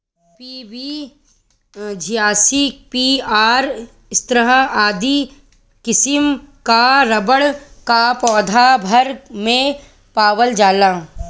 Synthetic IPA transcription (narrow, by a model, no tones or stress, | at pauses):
piːʋi | d͡ʒʱijaːsipiaːɾ | st̪ɾəɦəaːd̪i | kɪsɪmkaɾɐbəɽkapɔːd̪ʱabʱɐɾmẽ | paːʋəld͡ʒaːla